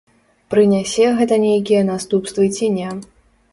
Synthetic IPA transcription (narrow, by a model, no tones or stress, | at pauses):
pɾɨnʲasʲɛɣɛt̪ɐnʲejk̬ʲijɐnast̪upst̪vɨt͡sʲinʲa